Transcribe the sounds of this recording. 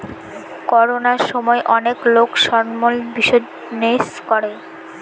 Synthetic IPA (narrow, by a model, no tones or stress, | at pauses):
kɔɾonaɾʃɔmɔeʔɔneklokʃɔɾmolbiʃo | neskɔɾe